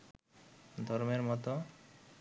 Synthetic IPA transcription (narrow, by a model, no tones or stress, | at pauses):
d̪ʱɔɾmeɾmɔt̪o